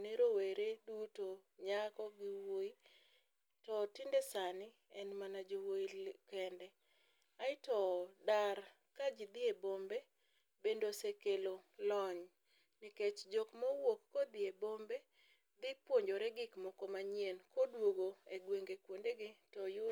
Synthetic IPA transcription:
neɾoweɾedutoɲakɔɡɪwoi | tɔtɪndɛsanɪ | ɛnmanad͡ʒowoikɛndɛ | aɪtɔdar | kad͡ʒid̪ɪebombe | bendosekelolɔɲ | niket͡ʃd͡ʒɔkmɔwokːɔd̪ɪebombe | d̪ɪpwoɲd͡ʒoɾɛɡɪkmɔkɔmaɲjenkodwoɡoeɡweŋɡekwondeɡɪtɔjʊ

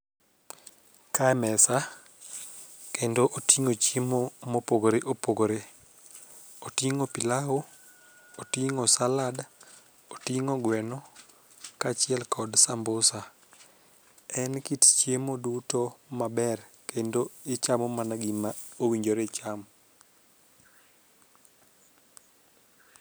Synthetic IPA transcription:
kaɛmɛsa | kendoʔotiŋot͡ʃemomopoɡoɾeʔopoɡoɾe | otiŋopilaɦo | otiŋosalad | otiŋoɡwɛnɔ | kat͡ʃɪɛlkɔdsambosa | ɛnkitt͡ʃjemodutomabɛrkendoɪt͡ʃamɔmanaɡimaowiɲd͡ʒoɾet͡ʃam

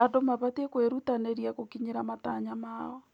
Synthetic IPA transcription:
adomaβatekweɾutaneɾjakokiɲeɾamataɲamaɔ

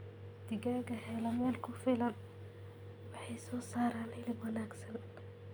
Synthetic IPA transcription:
d̪ɪɣaːɡɐhɛlɐmɛːlkʰʊfɪlɐn | wɑħɑjsɔːsaːɾaːnɪlɪbwɐnaːɡsɐn

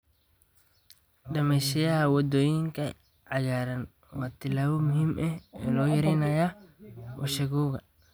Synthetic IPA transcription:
ɖɐmɛjʃɐjɐhɐwɔd̪ɔːjɪŋkʰɐ | ʕajaːɾɐn | wɑːt̪ʰɪlaːβɔmʊhiːmʔɛɛːlɔːjɐɾɛjnɐjawɔ̰ʃɐɣuːɣɐ

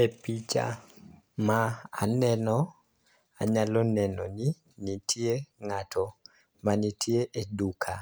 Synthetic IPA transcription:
epit͡ʃa̰ | maa̰nɛnɔ | a̰ɲalɔnɛnɔ̰ni | nitʰijeŋatʰɔ | manitʰjeʔedukʰa

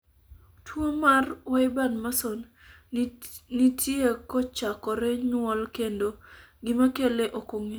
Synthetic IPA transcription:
tʰwomarwaɪbanmason | nitʰjekɔt͡ʃakɔɾɛɲwɔlkendo | ɡɪmakeleʔokoŋe

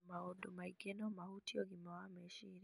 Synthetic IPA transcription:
maɔdomaiɡenɔmahutiɔɡimawamɛʃiɾi

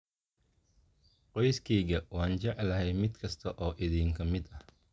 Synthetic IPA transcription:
qɔjskʰɛːɣɐwɑːnt͡ʃɛʕɛlɐhɛjmɪd̪kʰɐst̪ʰɐʔɔːʔɪðiːŋkʰɐmɪd̪ɐh

